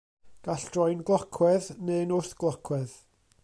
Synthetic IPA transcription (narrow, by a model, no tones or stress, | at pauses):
ɡ̥aɬd̥rɔjnɡlˠɔkʰwɛðnenʊθɡ̥lˠɔkʰwɛð